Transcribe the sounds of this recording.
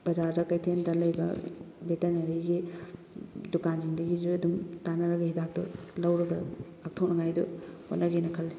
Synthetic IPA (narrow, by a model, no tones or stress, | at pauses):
b̥ɐd͡ʒaɾdɐkɐjtʰendɐlɐjbɐ̰ | betenɐɾiɡi | dukand͡ʒindɐɡizuɐdumtanɐɾɐɡɐhidak̚tɔ̰lɐwɾɐɡɐ | ak̚tʰɐwnɐŋajdṵho̰nɐɡinɐkʰɐlːi